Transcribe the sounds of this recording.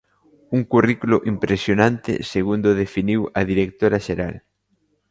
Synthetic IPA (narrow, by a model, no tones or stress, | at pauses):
uŋkurikulʊʔimpɾesjonãnt̪ɪ̰seɣund̪ʊðefiniwɐðiɾek̚t̪oɾɐʃeɾal